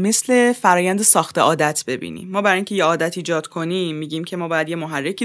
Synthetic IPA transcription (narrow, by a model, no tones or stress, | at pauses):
me̞sle̞fæɾɒːjænd̪esɒːxt̪eʔɒːd̪æt̪ʰb̥e̞bḭːnḭmːɒːbæɾɒjiŋcʰe̞jeɒːd̪æt̪ʰiːd͡ʒɒːd̪̥kʰo̞nimːiːɟiːmcʰe̞mɒːbɒːjæd̪je̞moɦærːecʰi